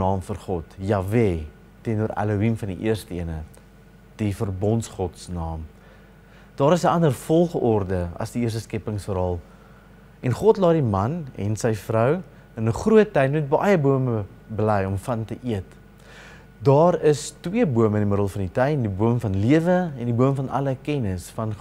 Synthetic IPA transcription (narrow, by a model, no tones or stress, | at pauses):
ɑːmfərχɔtjɑːveː | tɛnuəɾɐ̰luimfɐndiʔiərstəiənə | d̥ifərbɔntsχɔtsnɑːm | d̥ɑːɾəsəʔɐndərfɔlˠχɔrdəɐ̰sdiiərs̬təskɛpəŋsfəɾɑːlˠ | ʔɛnχɔtlɑːdimɐnɛ̰nsɛjfrœw | ənəχruət̚ːɛjmut̚bɐjəbuəmə | bəlɛjɔmfɐntəʔiət | dɑːɾəstwiəbuəməndiməɾəlˠfɐnditɐjndibuəmfɐnliəvəɛndibuəmfɐnʔɐ̰ləkɛnəsfɐn